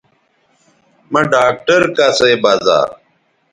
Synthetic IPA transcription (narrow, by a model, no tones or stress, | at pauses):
mɐ̃ɖaːk̚ʈɐɾkaseːbaːza̰ːɾ